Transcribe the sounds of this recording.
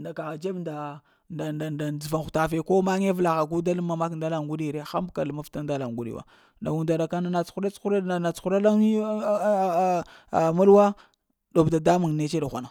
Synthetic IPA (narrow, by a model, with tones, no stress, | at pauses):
nda˨ka˨ɣa˨d͡ʒe˦bnda˨ | nda˨nda˨nda˨d͡zu˨va˨ŋxu˨ta˨fe˨ko˦ma˦ŋe˦vla˨ɣa˨ɡu˦da˦lmːa˨ma˦k̬nda˦la˨ŋɡu˦ɗi˦˨ɾe˦xa˦mbka˨lma˦fta˦nda˦la˨ŋɡu˦ɗḭ˦wa̰˨ | nda˨ɡu˨nda˨ɾa˨ka˦na˦na˨t͡sxu˦ɾa˦t͡sxu˦ɾna˨t͡sxu˦ɾa˦la˦˨˦mu˦lwa˦ | do˨bda˨da˦mu˨ŋ˨ne˦t͡ʃe˦da˨xʷa˨na˨